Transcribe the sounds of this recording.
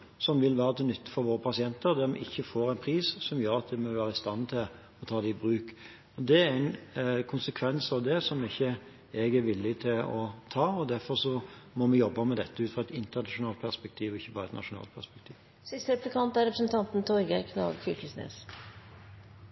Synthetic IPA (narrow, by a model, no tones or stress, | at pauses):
sɔmʋɪlʋæːɾət̪ʰɛnʏt̪ːə̥fɔɾʋoːɾəpʰɑsɪɛnt̪əɾd̪æɾmɪ̰ʔɪçːəfoːɾɛɪnpʰɾiːssɔmjœɾɑt̪̚d̪ɛmɔʋæːɾəɪst̪ɑnt̪ʰɪl | ɔt̪ʰɑːd̪ɛɪbɾʉːk | ɔd̪ɛæɾɪnkʰʊnsəkʰʋɛnsɑʋd̪ɛsɔmɪçːə | ɛɡæɾʋɪlːɪt̪ʰɪlɔt̪ʰɑːɔd̪æɾfɔɾʂɔmɔmɛjɔbːəmɛd̪ɛt̪ːəʉːfʁɔɑɛt̪ɪnt̪əʁnɑʂʊnɑːlt̪̚pʰæʁspɛk̚t̪ʰiːʋɔɪçːəbɑːɾəɛt̪nɑ̰ʂʊnɑ̰ːlt̪pʰæspɛk̚t̪ʰiːʋ | sɪst̪əɾɛplɪkʰɑnt̪æɾɛpɾəsnt̪ʰɑnt̪n̩t̪ʰɔɾɡəɾkʰnɑ̰ːɡçʏlkəsnḛːs